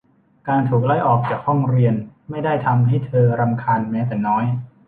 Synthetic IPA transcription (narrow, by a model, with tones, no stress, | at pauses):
kaː˧nt̪ʰuː˨˩k̚la˦˥˩jʔɔː˨˩k̚t͡ɕaː˨˩k̚hɔ˥˩ŋɾi˧ənma˥˩jda˥˩jt̪ʰa˧mɦa˥˩jt̪ʰɤː˧ɾa˧mkʰaː˧nmɛː˦˥t̪̬ɛː˨˩nɔː˦˥j